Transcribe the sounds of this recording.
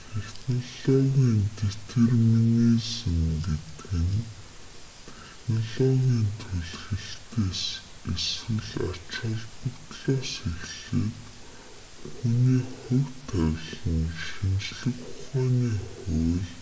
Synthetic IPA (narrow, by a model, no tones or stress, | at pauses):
t̪ʰexnɔɮɔɣʲiːnt̪et̪ʰerminisɘ̆mɡet̪ɡɘ̆n | t̪ʰeexnɔɮɔɣʲiːnt̪ʰuɮɣɘ̆ɮt̪ʰeːs | eswɘ̆ɮḁt͡ɕə̆ɮpə̆kt̪ɮɔːseɣɮeːt̪ | xuniːχʊwt̪ʰœwɮə̆nʃint͡ɕɮɘ̆xʊχaːniːχʊːɮ